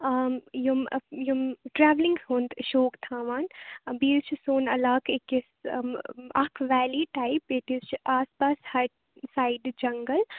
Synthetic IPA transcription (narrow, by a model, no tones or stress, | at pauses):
jumjumʈɾɛːʋlɪ̃ŋɡsõːnd̪ʃoːkt̪ʰãːʋaːnbiːɾt͡ʃʰisoːnɐlaːkʰekɪs | ɐkʰʋɛːliːʈaipeʈizt͡ʃʰʔaːspaːshɐʈ | saːɪɖd͡ʒɐŋɡəl